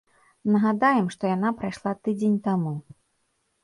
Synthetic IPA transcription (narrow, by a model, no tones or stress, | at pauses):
nɐɣad̪ajɛmʂt̪ɔjan̪apɾajʂlˠat̪ɨd͡zʲenʲt̪amu